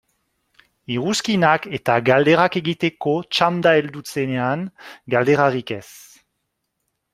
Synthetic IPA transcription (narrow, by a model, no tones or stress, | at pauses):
iʁuskinaket̪aɡald̪eʁakeɡit̪ekot͡ʃamd̪aeld̪ut͡seneanɡald̪eʁaʁikɛs